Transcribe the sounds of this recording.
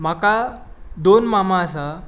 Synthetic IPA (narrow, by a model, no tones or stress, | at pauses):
m̤aka | d̪onmamaəsa